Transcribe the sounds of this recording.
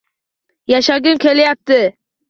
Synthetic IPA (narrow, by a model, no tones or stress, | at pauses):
jaʃaɡʲɪmkʲe̞ljap̚t̪ɪ